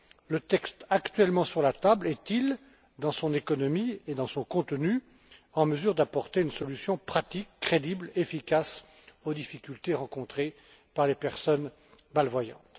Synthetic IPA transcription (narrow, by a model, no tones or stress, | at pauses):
lət̪ɛkst̪akt̪ɥɛlmɑ̃syʁlat̪ablɛt̪il | d̪ɑ̃sɔ̃nekɔnɔmied̪ɑ̃sɔ̃kɔ̃t̪ny | ɑ̃məzyʁd̪apɔʁt̪eynsɔlysjɔ̃pχat̪ikːχed̪iblefikas | od̪ifikʲylt̪eʁɑ̃kɔ̃t̪χe | paʁlepɛʁsɔn | malvwajɑ̰̃t̪